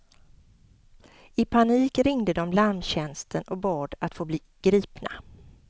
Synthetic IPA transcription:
ɪpʰaniːkɾɪŋd̪əd̪ɔmlaɾmɕɛnst̪ʰənʔɔbɑːɖ̪at̪foːbliːɡ̥ɾiːpna

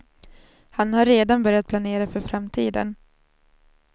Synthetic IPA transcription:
hanhaɾːeːd̪anbœɾjat̪̚pʰlaneːɾafœɾfɾamt̪ʰiːd̪ə̰n

